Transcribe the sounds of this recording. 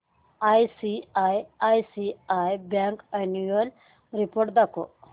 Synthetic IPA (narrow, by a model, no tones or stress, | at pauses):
ajsiajajsiajbaŋkenuɐl | ɾipoɾʈ̚d̪ako̰